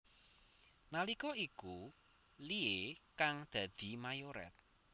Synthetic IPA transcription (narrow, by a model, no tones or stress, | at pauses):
nalikɔiku | liekaŋd̪̥ä̤d̪̥i̤majoɾɛ̰t̪̚